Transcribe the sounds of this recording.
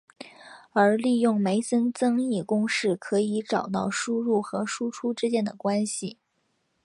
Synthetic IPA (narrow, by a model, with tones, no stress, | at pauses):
ə˞˧˥li˥˧jʊ˥˩ŋme˧˥ɪt͡sɤ˥ŋt͡sɤ˥ŋi˥˩kʊ˥ŋʂɻ̩˥˩kʰɤ˧˥i˧˥ʈ͡ʂɑ˨˩ʊt̪ɑ̰˥˩ʊʂu˥ɻu˥˩xɤ˧˥ʂu˥ʈ͡ʂʰu˥ʈ͡ʂɻ̩˥t͡ɕjɛ˥˩nd̪ə˨˩kwa˥nɕi˨˩